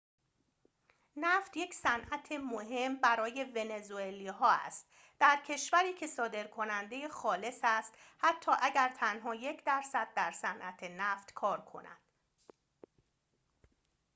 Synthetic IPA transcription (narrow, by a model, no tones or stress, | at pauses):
næft̪je̞csænʔæt̪ʰe̞moɦe̞mbæɾɒːje̞ve̞ne̞zueliːɦɒːæ̰st̪̚ | d̪̥æɾcʰe̞ʃvæɾiːcʰe̞sɒːd̪e̞ɾkʰo̞nænd̪e̞jexɒːle̞sæst̪hæt̪ʰːɒːʔæɟæɾt̪ʰænɦɒːje̞cʰd̪æɾsæd̪̚ːæɾsænʔæt̪ʰenæːft̪kʰɒːɾkʰo̞̰næ̰d̪̥